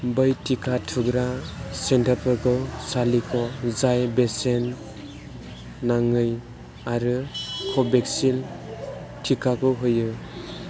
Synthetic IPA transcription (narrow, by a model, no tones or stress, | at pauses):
bɯjtʰikʰatʰuɡɾasentaɾpʰɯɾkɯsalikʰɔzajbesen | aŋɯj | aɾɯkʰɔbeksil | tʰikʰakɯɦɯjɯ